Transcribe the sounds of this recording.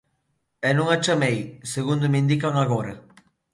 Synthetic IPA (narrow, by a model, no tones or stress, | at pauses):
enũŋat͡ʃɐmejseɣũnd̪ʊmĩnd̪ikaŋaɣoɾɐ